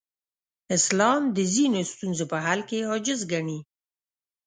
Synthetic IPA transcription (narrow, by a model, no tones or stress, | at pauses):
ɪslɑmd̪əzinost̪unzopəɦalkeɦɑd͡ʒɪzɡaɳi